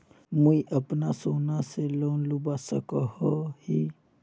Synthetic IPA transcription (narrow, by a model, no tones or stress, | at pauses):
muiʔəpnasoːnaseloːnlʊbasəkəhohi